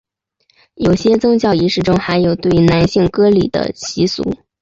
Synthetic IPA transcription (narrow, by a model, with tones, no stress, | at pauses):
jo˨˩ʊɕjɛ˥t͡sʊ˥ŋt͡ɕjɑ˥˩ʊi˧˥ʂɻ̩˥˩ʈ͡ʂʊ˥ŋxa˧˥ɪjo˨˩ʊt̪we˥˩ɪna˧˥nɕi˥˩ŋkɤ˥li˨˩d̪ə̰˦t͡ɕʰi˧˥sṵ˧˥